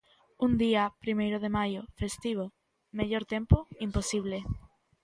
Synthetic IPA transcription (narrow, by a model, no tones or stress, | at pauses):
und̪iapɾimejɾoð̞emajofest̪iβ̞o | meʎoɾt̪ẽmpoimposiβ̞le